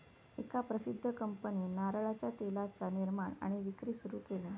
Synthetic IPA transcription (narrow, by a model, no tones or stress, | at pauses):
ekapɾəsid̪ʱːəkəmpəninaɾɭat͡ɕjat̪elat͡saniɾmaɳa̰ɽ̃iʋikɾiːsuɾuːkelẽ